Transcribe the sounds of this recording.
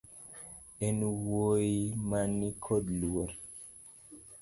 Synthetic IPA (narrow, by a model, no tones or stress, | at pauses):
ɛnwojimanikʰɔdlwoɾ